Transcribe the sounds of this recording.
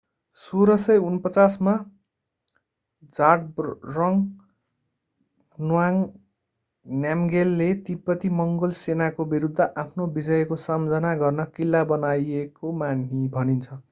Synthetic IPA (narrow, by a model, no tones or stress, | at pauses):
soɾʌsʌjunpʌt͡sasma | d͡zaʈ̚rʌŋ | nwaŋ | njamɡelːet̪ipːʌt̪imʌŋɡolsenakobiɾud̪ʱːʌʔapʰnobid͡zʌjkosamd͡zʌnaɡʌrnʌkilːabʌnajekomanɦibʱʌnint͡sʰʌ